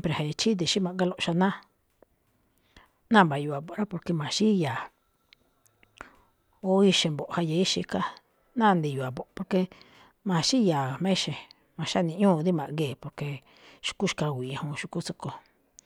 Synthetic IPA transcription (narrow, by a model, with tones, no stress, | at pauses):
mpɾe˨ha˧a˧t͡ʃi˦d̪i˨ʃi˦mã˧ʔɡa˦lo˧ʃa˧nã˦ | nã˦˨mba˨ju˧˨a˨bo˨˧ɾa˦po˧ɾke˧mã˨ʃi˦ja˨ | o˦i˧ʃe˧mbo˨ʔha˧je˧i˦ʃi˧ka˦˧ | nã˦˨˧nd̪i˧ju˨a˨bo˨ʔpo˧ɾke˧ | mã˨ʃi˦ja˨mẽ˦ʃe˨ | mã˨ʃa˦nĩ˧ʔɲũː˦˨d̪i˦mã˨ʔŋɡeː˨po˧ɾke˧ | ʃu̥˧ku˦ʃka˧˨ɡʷi˨ã˧hõ˧ʃu˧ku˦t͡so˧ko˧